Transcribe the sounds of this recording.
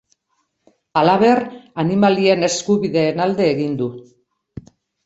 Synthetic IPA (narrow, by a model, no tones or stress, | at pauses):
alaβ̞e̞ranimalie̞ne̞skuβiðe̞ːnald̪e̞ːɣind̪u